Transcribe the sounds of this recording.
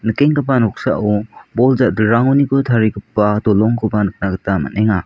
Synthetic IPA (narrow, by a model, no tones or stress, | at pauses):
nɯkeŋkɯbanɔk̚sa̰ʔubɔlzadɯɾaŋonikɯtʰaɾikɯpːadɔlɔŋkʰɯbanɯk̚naɡɯtama̰neŋa